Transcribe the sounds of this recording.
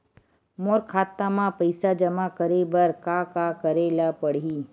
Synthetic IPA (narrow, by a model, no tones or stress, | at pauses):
moːɾkʰaːt̪ːamãpəɪsad͡ʒɐmakəɾebəɾkakakəɾeːlapəɽ̤iː